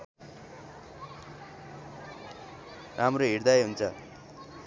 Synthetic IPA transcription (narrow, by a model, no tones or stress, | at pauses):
rʔamroɦiɽd̪ajɦunt͡sʰʌ